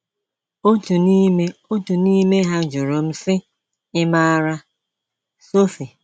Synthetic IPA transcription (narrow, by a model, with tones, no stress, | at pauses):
o˦tu˨ni˦me˦o˦tu˨ni˦me˦ɦa˦d͡ʒʊ˨ɾo˨m̩˦sɪ˦ | ɪ˦ma˦ɾa˦ | so˦fi˨